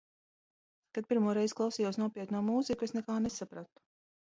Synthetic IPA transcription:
t̪ad̪̚pʲiɾmuɔɾɛjzklˠawsiːjuɔsnuɔpʲiɛt̪nuɔːmuːzikuesnɛkaːnesapɾat̪u̥

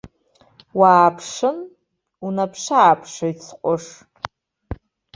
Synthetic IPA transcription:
waːpʰʂɨn | unapʰʂaːpʰʂajt͡sʰqʷʼʊʂ

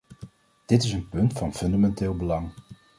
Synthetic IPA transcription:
d̥ɪtɪsənpɵntfɑnfɵndamɛntɪːlˠbəlɑŋ

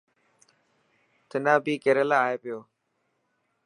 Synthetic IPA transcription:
t̪ʰɪnãːbiːkeːɾəlaːɦeːpɪjoː

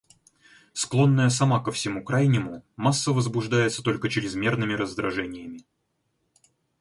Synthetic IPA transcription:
sklˠo̞nːəjəsɐmakəfsʲɪmukɾajnʲɪmʊmasːəvəzbʊʐd̪ajɪt̪sə̥t̪o̞lʲkət͡ɕɪɾʲɪzmʲe̞rnɨmʲɪɾəzd̪ɾɐʐɛnʲɪjəmʲɪ

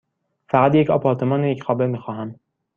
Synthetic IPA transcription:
fæɣæt̪jecɒ̰ːpʰɒːɾt̪ʰe̞mɒːnejecxɒːbemiːxɒːɦæm

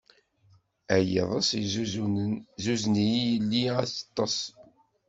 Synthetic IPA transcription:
æjḛðˤəsiz | zuznijijəlːiæθɑ̥t̪ˤːɑsˤ

